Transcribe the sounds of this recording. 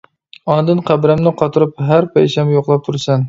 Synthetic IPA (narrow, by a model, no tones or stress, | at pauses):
ɑnd̪ɨnqʰæbɾæmnɪqʰɑt̪ʰɨɾupɦæɾpʰɛjsɛmjoqlˠɑp̚t̪ʰuɾsɛn